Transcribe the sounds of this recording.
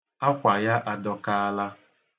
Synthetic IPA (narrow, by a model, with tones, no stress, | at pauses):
a˦kʷa˨ja˦ʔa˨dɔ˨ka˦a˦la˦